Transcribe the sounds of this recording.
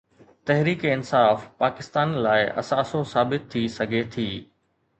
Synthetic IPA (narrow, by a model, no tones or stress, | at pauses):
t̪ɛɦɾiːkɪnsaːfpaːkɪst̪aːnlaːɪʔɐ̰saːsosaːbɪt̪ʰːisɐɡʱet̪ʰiː